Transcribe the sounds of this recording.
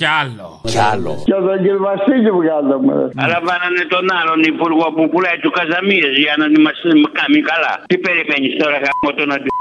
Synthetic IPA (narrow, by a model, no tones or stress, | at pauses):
alocalo̰cɐðɐɟiɾvɐsiʎivɣɐzɐmḛɐlɐɱvɐnɐnet̪o̞nɐlo̞nipuɾɣopupulɐjt̪ukɐzɐmieziɐnonimɐsmkɐmikɐlɐ̰t̪ipeɾimeɲist̪oɾɐɣɐmot̪onɐd̪i